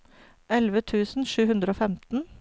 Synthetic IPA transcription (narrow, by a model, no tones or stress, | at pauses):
ʔɛlʋət̪ʰʉːsn̩ʃʉːhʉnd̪ɾəoːfɛmt̪n̩